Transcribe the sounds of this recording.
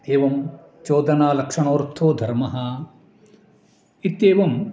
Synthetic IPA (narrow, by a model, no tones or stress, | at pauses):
eːʋɐm | t͡ʃoːd̪ɐnaːlɐkʂɐɳoːɾt̪ʰoːd̪ʱɐɾmɐɦɐ | it̪eːʋɐm